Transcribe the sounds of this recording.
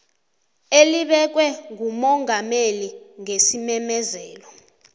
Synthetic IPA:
eliɓɛk̬wɛŋumɔŋameliŋesimɛmɛzɛːlɔ

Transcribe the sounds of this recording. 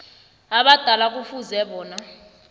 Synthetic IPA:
aɓad̥ʱalak̬ʼufuzɛɓɔːna

